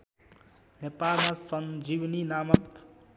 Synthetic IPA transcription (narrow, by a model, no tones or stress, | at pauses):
nepalmasʌnd͡ʒibninamʌt̪